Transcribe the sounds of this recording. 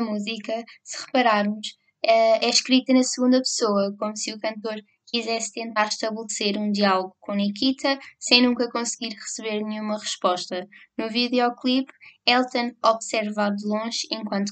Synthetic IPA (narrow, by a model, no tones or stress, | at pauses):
muzikɐsɨ̥ʁɨpɐɾaɾmuʃ | ɛɛʃkɾit̪ɐnɐsɨɣũnd̪ɐpsoɐkomusɨukɐ̃nt̪oɾ | kizɛst̪ẽnt̪aɾʃt̪ɐβlˠseɾũd̪ialˠɣukõnikit̪ʰɐsɐ̃j̃nũŋkɐkõsɣiɾʁɨsɨβeɾnɲumɐʁɨʃpɔʃt̪ɐnuviðɔklˠipɛlˠt̪ɐ̃nɔβsɛɾvaðɨlˠõʒẽŋkwɐ̃nt̪